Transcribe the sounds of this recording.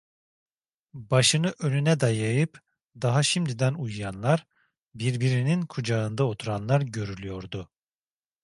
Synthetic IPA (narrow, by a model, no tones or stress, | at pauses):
baʃɯnɯʔø̞nynɛd̪ajajɯp | d̪aɦaʃimd̪id̪ænujujanlˠaɾ | biɾbiɾininkʰud͡ʒaɯnd̪ao̞t̪ʰuɾanlˠaɾɟø̞ɾylʲyjo̞ɾd̪ʊ